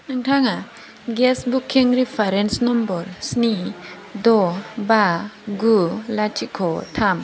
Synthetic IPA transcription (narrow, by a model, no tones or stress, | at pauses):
nɯŋtʰaŋa | ɡɛsbukʰːiŋɾipʰaɾensnɔmbɔɾsni | dɔbaɡulat͡ʃikʰɔtʰam